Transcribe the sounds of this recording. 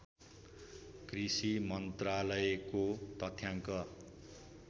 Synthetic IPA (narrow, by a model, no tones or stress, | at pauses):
krisimʌnt̪ralʌekot̪ʌt̪ʰjaŋkʌ